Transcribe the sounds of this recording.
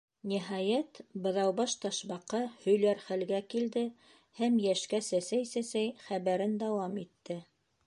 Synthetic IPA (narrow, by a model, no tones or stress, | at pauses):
niɦɑjæt̪bɤ̆ðɑwbɑʃt̪ɑʃβɑqːɑhɵ̆jlæɾχælɡækild̪ɘ | hæmjæʃkæsæsæjsæsæjχæβæɾɘnd̪ɑwɑmit̪ːɘ